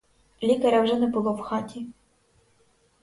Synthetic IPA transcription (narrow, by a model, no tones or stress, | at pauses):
lʲikɐɾʲawʒɛnɛbʊlˠɔwxɑtʲi